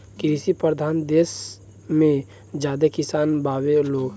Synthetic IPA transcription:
kiɾɪsipɾəd̪ʱaːnd̪eːs | mẽ | d͡ʒjaːd̪ekɪsaːnbaːweloː

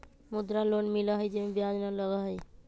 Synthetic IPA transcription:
mud̪ɾalonmiləɦəjd͡ʒemẽbjad͡ʒnaləɡəɦəj

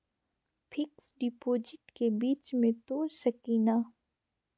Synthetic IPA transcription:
pʰɪksɖipoːd͡ʒɪʈkebiːt͡ʃmẽt̪oːɾʃəkiːnaː

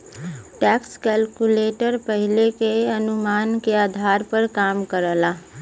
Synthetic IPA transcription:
ʈɛkskɛlkuleʈəɾpəɦilekeənumankeaːd̪ʱaɾpəɾkaːmkəɾəla

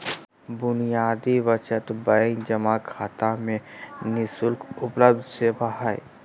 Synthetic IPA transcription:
bʊnijaːd̪iʋət͡ʃət̪bə̃ŋd͡ʒəmakʰaːt̪amẽnɪsʊlkʊpləb̚d̪ʱsebaɦaːḛ

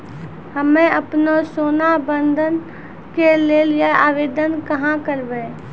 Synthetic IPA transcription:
həmẽəpnosoːnabə̃nd̪ʱən | keleːlijeaːʋeːd̪ənkəɦãkəɾbe

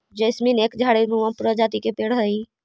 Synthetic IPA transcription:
d͡ʒəɪsmineːkd͡ʒʱaːɽemũʋãpɾəd͡ʒaːt̪ikepeːɽɦəi

